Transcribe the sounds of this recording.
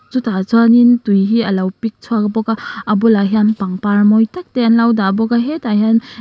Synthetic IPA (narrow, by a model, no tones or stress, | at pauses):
zutʰazanintujɦiɐlawpik̚t͡ʃʰuaɡabɔɡaɐbulaɦjanpaŋpaɾmɔjtak̚teanlawdabɔɡaɦetahjan